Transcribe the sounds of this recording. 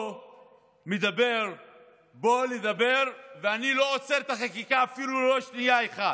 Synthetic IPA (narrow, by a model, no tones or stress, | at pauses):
med̪abe̞ʁ | bo̞led̪abe̞ʁveanilo̞ot͡seʁt̪aχakikaːfilulo̞ʃnijaeχad